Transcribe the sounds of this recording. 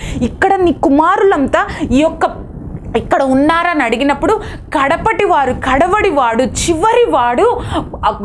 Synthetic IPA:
ikːɐɽɐniːkumaːɾulɐnt̪ɐiːjɔkːɐ | ikːɐɽɐunːaːɾaːnɐɽiɡinɐpːuɽu | kɐɽɐpɐʈiʋaːɾukɐɽɐʋɐɽiʋaːɽut͡ʃiʋɐɾiʋaːɽu

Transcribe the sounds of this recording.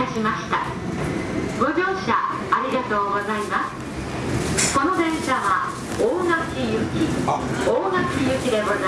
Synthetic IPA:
aɕimaɕi̥t̪a | bo̞ɡʲo̞ːɕaː | ɾʲiɡat̪o̞ːɡozaimasɨ̥ | ko̞no̞d̪ẽ̞ɰ̃ɕaβa | oːŋakʲijɯ̟kʲioːŋakʲijɯ̟kʲid̪e̞man

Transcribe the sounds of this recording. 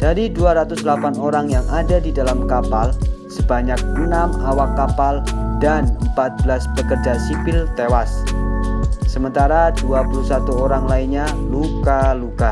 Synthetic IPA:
d̥aɾiduaɾat̪ʊsdlapanoɾaŋjaŋʔadadidalamkapalsəbaɲak̚ənamawakːapaldanəmpat̪̚bəlasbəkərd͡ʒasipɪlt̪ewas | əmənt̪aɾaduapulusat̪uoɾaŋlainɲalukaluka

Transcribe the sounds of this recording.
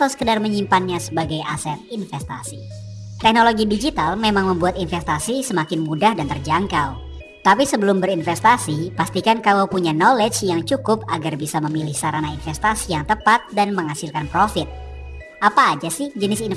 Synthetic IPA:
at̪awsə̥kədarməɲimpanɲasəbaɡajʔa̰sɛt̪̚infɛst̪a̰sit̪ɛk̚noloɡidid͡ʒit̪almemaŋməmbuat̪infɛst̪asisəmakɪnmudahdant̪ərd͡ʒaŋkaw | t̪apisəbəlʊmbəɾinfɛst̪asipast̪ikankawawpuɲanolɛd͡ʒjaŋt͡ʃukʊp̚aɡarbisaməmilɪhsaɾanainfɛst̪asijaŋt̪əpat̪̚danməŋasɪlkanpɾofɪt̪̚ | ʔapaːd͡ʒasɪhd͡ʒənɪsn

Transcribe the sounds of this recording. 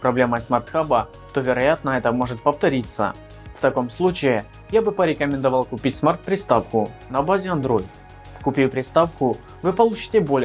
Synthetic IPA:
pɾɐblʲeməsmart̪xabə | t̪o̞vʲɪɾɐjat̪nəɛt̪əmo̞ʐɨt̪̚pəft̪ɐɾʲit̪sə̰ | ft̪ɐko̞mslˠut͡ɕɪɪ | jabɨpəɾʲɪkəmʲɪnd̪ɐvalˠkʊpʲitʲsmart̪̚pɾʲɪst̪afkʊnɐbazʲɪɐnd̪ɾo̞jt̪ | kʊpʲijpɾʲɪst̪afkʊ | vɨpɐlˠut͡ɕɪ̥tʲɪbo̞lʲ

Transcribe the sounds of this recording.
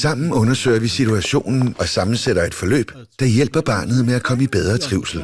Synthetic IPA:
sɑ̈m̰n̩ɔ̽nɐsø̰ɪɐʋisit͡sʰuæɕo̝̰ːnn̩ɒ̽sɑ̈mn̩seɾ̥ɐe̝d̥fɒ̽lø̰ːb̥ | d̥ɑ̈jel̰b̥ɐb̥ɑ̈ːnð̞̩ˠmeækʰɒ̽məib̥eð̞ˠʁɐt͡sʰʁiʊ̰sl̩

